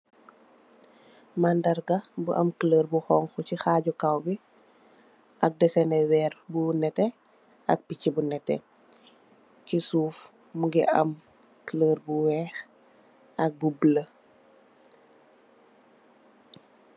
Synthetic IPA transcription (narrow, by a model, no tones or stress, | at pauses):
mandɐrɡɐbuʔɐmkələːrbuxɔːŋxucixaːɟukawbi | ʔɐk̚dɛsɛnɛwɛːrbunɛtɛ | ɐ̰k̚picːibunɛtɛ̰ | kisuːf | muɡɛʔɐm | kələːrbuwɛːx | ɐk̚bublə